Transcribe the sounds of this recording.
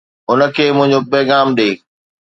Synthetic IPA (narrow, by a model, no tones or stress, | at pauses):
ʊnəkʰeːmʊ̃ɦɪ̃ɲd͡ʑobɐːɡaːmɗeː